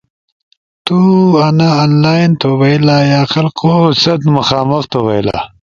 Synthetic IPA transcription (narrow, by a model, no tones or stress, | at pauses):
t̪uanaaːnlaːnt̪owɐilajaːxɐlkosɐt̪mɐxaːmɐxt̪owɐjla̰